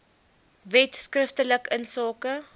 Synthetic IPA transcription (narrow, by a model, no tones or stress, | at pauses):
vɛtskrəftələkənsɑːkə